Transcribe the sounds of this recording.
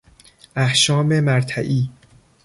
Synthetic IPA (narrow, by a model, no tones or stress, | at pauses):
ʔæhʃɒːme̞mæɾt̪ʰæʔiː